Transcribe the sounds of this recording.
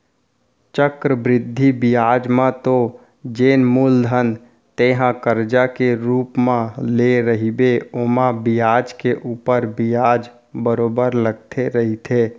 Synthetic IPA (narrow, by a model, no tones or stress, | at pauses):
t͡ʃəkɾəbɾɪd̪ʱːibijaːd͡ʒmãt̪o | d͡ʒeːnmuld̪ʱən | t̪eɦãkəɾd͡ʒakeɾuːpmãleɾəɦibeomãbijaːd͡ʒkeʔuːpəɾbijad͡ʒ | bəɾoːbəɾləɡ̚t̪ʰeɾəɦit̪ʰe